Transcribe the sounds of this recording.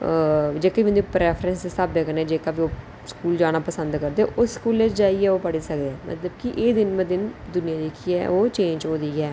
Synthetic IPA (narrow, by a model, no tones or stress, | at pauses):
d͡ʒeːkəmɪnd̪iːpɾɛːpʰɾə̃nsesaːbeːkəneːd͡ʒeːkaːbiːoː | skuːld͡ʒaːnaːpəsə̃nd̪kəɾd̪eʔʊsskuːlet͡ʃd͡ʒaːiːɛːoːpəɽiːsəkd̪eɛːmʔə̰t̪ləbkiʔeːd̪ɪnmə̃d̪ɪnd̪ʊnɪjãːd̪iːkiɛ̰ːoːt͡ʃẽːɲd͡ʒɦoːd̪iːɛː